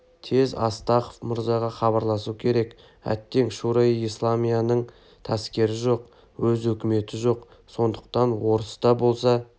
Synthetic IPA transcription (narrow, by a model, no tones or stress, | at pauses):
t̪ʰe̞zɑ̰st̪ɑχofmʊɾzɑʁɑχɑbɑɾlˠɑsukʲʰe̞ɾe̞k | æ̰t̪ːe̞ŋʃuɾɑislˠamijanəɴ | t̪ʰɑskʲe̞ɾɪʒo̞q | wɵzɵkʲɪme̞t̪ɪʒo̞q | so̞nd̪əq̚t̪ɑnwo̞ɾəsd̪ɑbo̞lˠsɑ